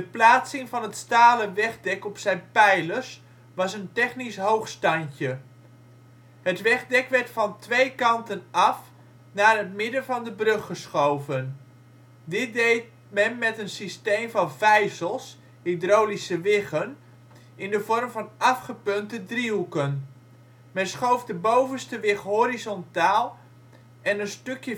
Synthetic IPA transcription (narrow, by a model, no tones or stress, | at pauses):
dəplaːtsɪŋvɑnɦətstaːləʋɛχdɛkɔpsɛjnpɛjləs | ʋɑsəntɛχnisɦowχstɑncə | ɦətʋɛχdɛkʋɛrtfɑntʋejkɑntənɑf | naːrətmɪdənvɑndəbrøχːəsχowvən | dɪt̚dejt̚ | mɛnmɛtənsistejmvɑnvɛjsəlˠs | hidrowlisəʋɪχən | ɪndəvɔrmvɑnɑfχəpøntədriɦukən | mɛnsχowvdəbowvənstəʋɪχɦoɾizɔntaːlˠ | ɛnənstøkjə